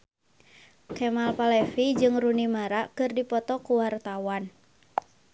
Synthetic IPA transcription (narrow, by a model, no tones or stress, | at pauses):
kɛmalpalɛfid͡ʒɨŋrunimaɾakɨrdipɔt̪ɔkuwart̪awan